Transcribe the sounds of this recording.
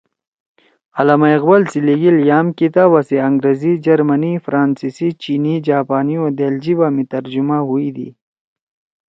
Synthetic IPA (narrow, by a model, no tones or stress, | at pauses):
ɐlamaiqbɐlsiliɡiljaːmkit̪aːbaseɐ̃ŋɡɾezid͡ʒɐɾmɐnifɾaːnsisit͡ɕiːnid͡ʒaːpaːniod̪eːld͡ʑibamit̪ɐɾd͡ʒumaɦuid̪ʰḭ